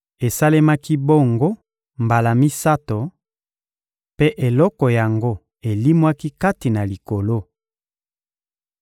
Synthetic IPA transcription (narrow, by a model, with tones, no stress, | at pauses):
e˨sa˦le˦ma˦ki˦bo˦ŋɡo˦ | mba˨la˨mi˦sa˦to˨ | pe˦ʔe˨lɔ˦kɔ˨ja˨ŋɡo˦ | e˨li˦mwa˦ki˦ka˦ti˨na˨li˨ko˨lo˦